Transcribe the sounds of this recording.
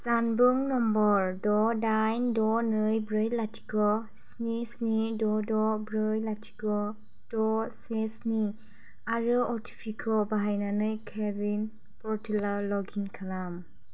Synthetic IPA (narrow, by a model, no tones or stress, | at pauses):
zanbuŋnɔmbɔɹdɔdajndɔnɯjbɾɯjlatʰi̥kɔ | snisnidɔdɔbɾɯjlatʰi̥kɔ | d̥ɔsesni | aɾɯɔtʰi̥pʰikʰɔbaɦajnanɯjkʰezin | pɔɾtʰilalɔɡinkʰalam